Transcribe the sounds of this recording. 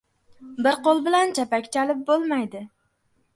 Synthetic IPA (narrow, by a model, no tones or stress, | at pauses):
bɪɾqolˠbɪlant͡ʃʰapakʲt͡ʃʰalɪp̚bolˠmajd̪ɪ